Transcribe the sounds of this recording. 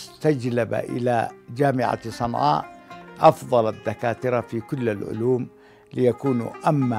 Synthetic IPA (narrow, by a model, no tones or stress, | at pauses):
st̪ad͡ʒlaba̰ʔɪ̰lad͡ʒaːmɪʕa̰sˤɑnʕɑ̰ːʔʔɑfðˤɑlaðːakaːt̪ɪɾafikʊlːalʕʊ̰luːm | lɪjakuːn̰ʔamːa